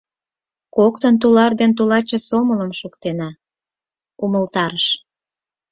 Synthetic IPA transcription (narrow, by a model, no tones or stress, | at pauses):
kokt̪ənt̪ulɑrd̪ent̪ulɑt͡ɕĕsomələmʃukt̪enɑ | uməlt̪ɑɾəʃ